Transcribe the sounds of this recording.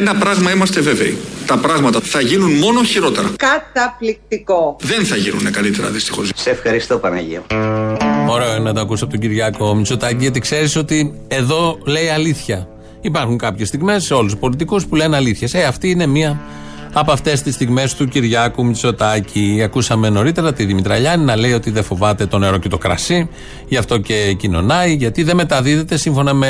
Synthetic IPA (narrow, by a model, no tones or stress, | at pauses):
enɐpɾɐɣmɐimɐst̪e̞ve̞veḭt̪ɐpɾɐɣmɐt̪ɐθɐʝinunmo̞no̞çiɾo̞t̪e̞ɾɐkɐt̪ɐplik̚t̪ikoðe̞nθɐʝinṵnekɐlit̪eɾɐ̰ðist̪ixo̞zseefxɐɾist̪opɐnɐ̰ʝḭo | o̞ɾeoinɐt̪oɐkusɐpot̪oɟiɾʝɐko̞mit͡so̞t̪ɐciʝɐt̪ikse̞ɾiso̞t̪ie̞ðo̞le̞iɐliθçɐ | ipɐɾxuŋkɐpçest̪iɣme̞sːeo̞luspo̞lit̪̬ikuspulenɐliθçeseɐft̪iine̞miɐ | ɐpɐft̪e̞st̪ist̪iɣme̞st̪uciɾʝɐkumit͡so̞t̪ɐcʰiɐkusɐme̞no̞ɾit̪e̞ɾɐt̪iðimit̪ɾɐʎɐninɐle̞io̞t̪iðefo̞vɐt̪e̞t̪o̞ne̞ɾo̞cet̪o̞kɾɐ̰si | ʝɐft̪o̞ce̞cino̞̰nɐjʝɐt̪iðe̞me̞t̪ɐðiðe̞t̪e̞siɱfo̞nɐme̞